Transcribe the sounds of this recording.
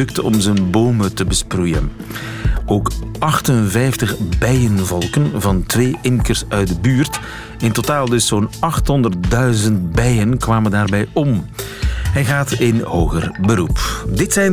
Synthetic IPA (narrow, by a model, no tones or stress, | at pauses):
ɵk̚tɔ̰mzənboːmətəbəsprujə̰n | oːkʔɑxtənvɛjftəχbɛjənvɔlˠkənvɑntʋeːʔɪŋkərsœɥt̚dəbyːrt | ɪntotaːlˠdɵsoːnɑxtɦɔndərt̚dœɥzənt̚bɛjənkʋaːməndaːrbɛjɔm | ɦɛjɣaːtɪnhoːɣə̰rbəɾupdɪtsɛjn